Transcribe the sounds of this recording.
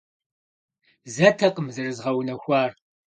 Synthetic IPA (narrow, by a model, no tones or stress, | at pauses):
zɐtʰɐqəmzɐrɨzʁɐwnɐxʷɑːr